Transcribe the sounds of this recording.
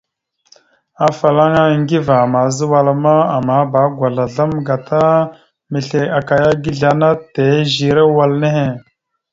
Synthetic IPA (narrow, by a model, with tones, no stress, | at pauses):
a˨fa˨la˦ŋa˦˨ŋɡi˦va˨ma˨zə˦wa˦la˨ma˦a˨ma˨˦ba˨˦ɡʷa˨ɮa˨ɮa˦mɡa˨tʰa˦ | mə˨ɬe˨a˨ka˨ja˦ɡi˦ɮa˨na˦te˨˦ʒi˨ɾe˦wa˨lne˦ɦe˨